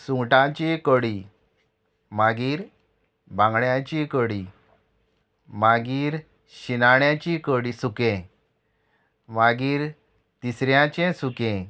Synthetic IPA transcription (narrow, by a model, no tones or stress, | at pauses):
sũŋɡʈãt͡ɕẽkəɽi | maɡiːɾ | bãŋɡɳjãt͡ɕikəɽi | maɡiːɾ | ɕinaɳjãt͡ɕikəɽisukẽ | maɡiːɾ | t̪isɾjãt͡ɕẽsukẽ